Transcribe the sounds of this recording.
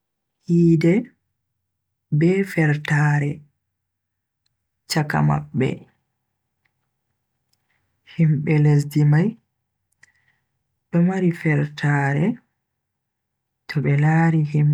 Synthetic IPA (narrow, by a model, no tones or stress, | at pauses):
hiːdɛ | bɛːfɛɾtaːɾɛ | t͡ʃaka̰ma̰bːɛ̰ | himɓɛlesdimaj | ɓɔmaɾifɛɾtʰaːɾɛ | tʰɔbɛlaːɾihim